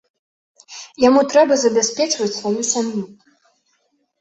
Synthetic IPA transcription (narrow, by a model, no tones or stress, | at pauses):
jamut̪ɾɛbɐzɐbʲasʲpʲɛt͡ʂvɐt͡sʲsvajusʲamju